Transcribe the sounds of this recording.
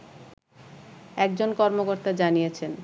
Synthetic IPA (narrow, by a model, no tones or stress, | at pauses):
ɛk̚d͡ʑonkɔɾmokoɾt̪ad͡ʑanijet͡ɕʰen